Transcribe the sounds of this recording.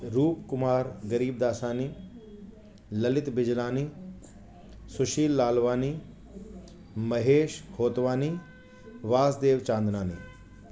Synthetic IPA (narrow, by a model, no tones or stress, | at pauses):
ɾuːpkʊmaːɾɡɐɾiːb̚d̪aːsaːniː | lɐlɪt̪bɪd͡ʒlaːniː | sʊʃiːlːaːlʋaːniː | mɐɦeːʃhoːt̪ʋaːniː | ʋaːsd̪eːʋt͡ʃãːnd̪ʱnaːnḭː